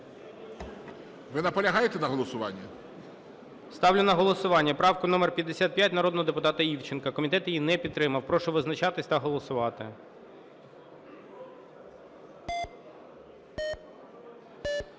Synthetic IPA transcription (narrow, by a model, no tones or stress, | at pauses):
ʋɪnɐpɔlʲɐɦɑjet̪ɛnɐɦɔlˠɔsʊʋɑ̰nʲːɐ | st̪ɑwlʲʊnɐɦɔlˠɔsʊʋɑnʲːɐpɾɑwkʊnɔmɛrpʲjɐd̪ːesʲat̪̚pʲjat̚ʲnɐɾɔd̪nɔɦɔd̪epʊt̪ɑt̪ɐiwt͡ʃɪnkɐkɔmʲit̪ɛt̪jjinɛpʲid̪t̪ːɾɪmɐwpɾɔʃɔʋɪznɐt͡ʃɑt̪ɪsʲt̪ɐɦɔlˠɔsʊʋɑt̪ɪ̰